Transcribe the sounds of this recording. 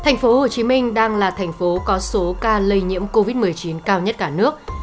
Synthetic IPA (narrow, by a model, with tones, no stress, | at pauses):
t̪ʰɛ˨˩jŋ̟fo˨˦ho˨˩t͡ɕi˨˦mï˧ŋ̟ɗaː˧ŋlaː˨˩t̪ʰɛ˨˩jŋ̟fo˨˦kɔ˨˦so˨˦kaː˧lə˧jɲḭ˧˥əmko˧vi˦˥t̚m˨˩əjt͡ɕi˨˦nkaː˧wɲə˦˥t̚kaː˧˩nɨ˦˥ək̚